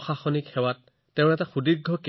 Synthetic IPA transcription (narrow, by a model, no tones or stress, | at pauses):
xaxɔnikxɛwat̚ː | ɛʊ̃nɛtaxudiɡʱːɔke